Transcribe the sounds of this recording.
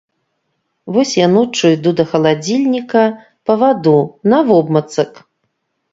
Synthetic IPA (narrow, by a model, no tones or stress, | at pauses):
vɔsʲjanɔt͡ʂɨjd̪ud̪ɐxɐlˠad͡zʲilʲnʲikɐ | pɐvad̪unɐvɔbmɐt̪sɐk